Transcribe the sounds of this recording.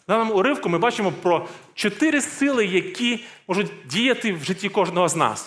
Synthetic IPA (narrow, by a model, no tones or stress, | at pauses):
d̪ɑnɔmʊʊɾɪwkʊmɪbɑt͡ʃɪmɔpɾɔt͡ʃɔt̪ɪɾɪsɪlˠɪjɐkʲimɔʒʊtʲdʲijɐt̪ɪwʒɪtʲːikɔʒnɔɦɔznɑ̰s